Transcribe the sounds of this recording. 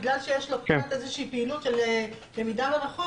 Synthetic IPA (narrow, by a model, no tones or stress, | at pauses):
ɡlalʃejeʃloptezeʃiːpeilutʃele | lemid̪avanaχo